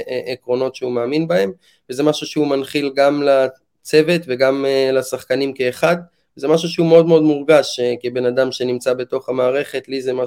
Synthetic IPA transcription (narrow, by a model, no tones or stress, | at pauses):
ʔekʁo̞no̞t̪ʃeumeːminbae̞m | veze̞maʃuʃeumanχilɡamla | t͡se̞ve̞t̪veɡamlasaχkanimkeːχad̪ | veze̞maʃuʃeumeo̞d̪meo̞d̪muʁɡaʃkebe̞nad̪amʃe̞nimt͡sabe̞t̪o̞χamaːʁe̞χe̞t̪lizema